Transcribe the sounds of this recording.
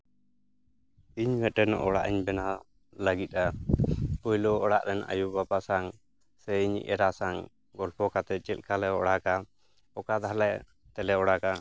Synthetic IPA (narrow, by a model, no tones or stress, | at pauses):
iɲmɛt̪ɾɛnɔ̰ʔɔɽa̰ʔiɲbɛna | ləɡit̪̚ˀa | pujlɔɔɽaʔɾɛna̰jubapasaŋ | sɛiɲ̰ʔɛ̰ɾasaŋ | ɡɔlpʰɔkat̪ɛt͡ʃʼɛl̚kʰalɛɔɽaka | ɔkad̪alɛ | t̪ɛlɛɔɽaka